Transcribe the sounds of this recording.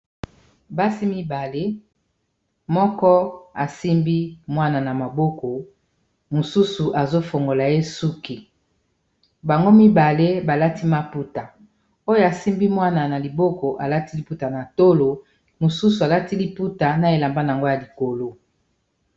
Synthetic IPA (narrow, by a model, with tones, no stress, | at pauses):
ba˦si˦mi˦ba˨le˦ | mɔ˦kɔ˦a˨si˦mbi˦mwa˦na˨na˨ma˨bo˦ko˨ | mo˨su˦su˨ʔa˨zo˦fo˨ŋɡo˨la˨e˦su˦ki˨ | ba˨ŋɡo˦mi˦ba˨le˦ba˨la˦ti˦ma˦pu˦ta˨ | o˦jo˦a˨si˦mbi˦mwa˦na˨na˨li˨bo˦ko˨ʔa˨la˦ti˦li˨pu˦ta˨na˨to˦lo˨ | mo˨su˦su˨a˨la˦ti˦li˦pu˦ta˨na˨e˨la˨mba˦na˨a˨ŋɡo˦ja˨li˨ko˨lo˦